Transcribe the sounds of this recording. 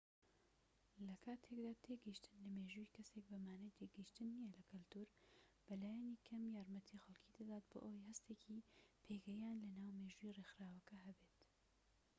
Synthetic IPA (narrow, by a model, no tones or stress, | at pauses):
lɐkʰaːt̪ʰekd̪aːt̪ʰeɡiʃt̪ɨnlɐmeːʒuikɐsek̚bɐmaːnɐjt̪ʰeɡɨjʃt̪ɨnːijɛlɐkɨlt̪uːɾb̥ɐlaːjaniːkʰɐmjaːɾmɐt̪ʰixɐlˠkʰid̪ɐd̪aːt̪bo̰ːʔojhɐst̪eːkʰipʰeːɡɐjaːnlɐnaːwmeːʒuːirexɾaːwɐkɐɦɐbeːt̪